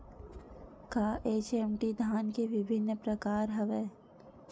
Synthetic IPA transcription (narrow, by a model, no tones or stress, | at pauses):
kaːʔeːt͡ʃɛmʈid̪ʱaːnkeʋɪbʱɪnːəpɾəkaːɾɦɐʋeː